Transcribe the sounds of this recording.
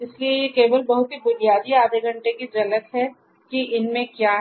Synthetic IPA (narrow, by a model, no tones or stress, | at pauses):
ɪsliejekeːbəlbɐɦʊt̪ɦibʊnijaːd̪iaːd̪eɡʱɐ̃ɳʈekid͡ʒɐlət̪ɦɛ | kiʔɪnmẽkjaː